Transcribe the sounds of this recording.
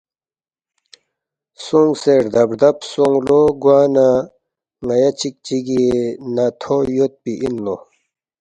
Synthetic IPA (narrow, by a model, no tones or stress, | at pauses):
suŋɡseɾd̪ɐbɾd̪ɐpsoŋɡloɡwaːna | ŋɐjɐt͡ɕʰik̚t͡ɕiɡienat̪ʰojot̪̚piʔinːo